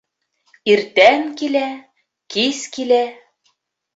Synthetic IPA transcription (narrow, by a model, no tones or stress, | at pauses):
irt̪ænkilæ | kiskilæ